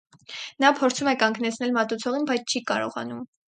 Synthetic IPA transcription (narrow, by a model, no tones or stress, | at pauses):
nɑpʰɔɾt͡sʰumɛkɑŋɡnɛt͡sʰn̪ɛlmɑt̪ut͡sʰɔʁinbɑjt͡sʰt͡ʃʰikɑɾɔ̰ʁɑ̰num